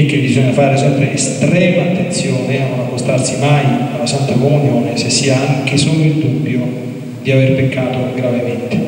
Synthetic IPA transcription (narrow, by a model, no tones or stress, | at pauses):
ek̟ːebizɔɲːafaːɾesɛmpɾeːst̪ɾɛːmaːt̪ːent̪sjɔːneanːonakːost̪arsimajawnasant̪akomunjoːnesesːiaaŋk̟esoːloild̪ubːjo | d̪iaverpekːaːt̪oɡɾavement̪e